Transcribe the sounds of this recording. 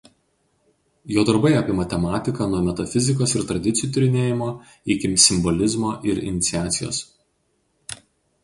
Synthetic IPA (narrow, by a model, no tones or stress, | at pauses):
joːd̪ɐɾbɐɪɐpʲɪmɐt̪ʲɛmɑːt̪ʲɪkɐːnuɔmʲɛt̪ɐfʲɪzʲɪk̬oːsɪɾt̪ɾɐd̪ʲɪt̪sʲɪjuːt̪ʊɾʲɪnʲeːjɪmoː | ɪkʲɪmsʲɪmbɔlʲɪzmoːʔɪɾɪ̰nʲɪt̪sʲɪæːt̪sʲɪjo̰ːs